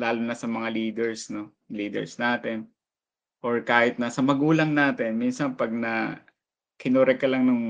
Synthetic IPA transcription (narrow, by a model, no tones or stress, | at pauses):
laːlʊnɐsɐmɐŋaliːd̪ɛɹsno̞ | liːd̪ɛ̰ɹsnaːt̪ɪn | ʔoɹkaːhɪt̪̚nɐsɐmɐɡuːlɐŋnaːt̪ɛnminsɐnpɐɡ̚nɐ | kɪnoɾɛkɐlɐŋnɐŋ